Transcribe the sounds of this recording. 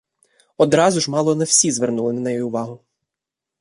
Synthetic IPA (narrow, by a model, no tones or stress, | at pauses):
ɔd̪ɾɑzʊʒmɑlˠɔnɛw̥sʲizʋernulˠɪnɛnɛjɔjiʊʋɑɦʊ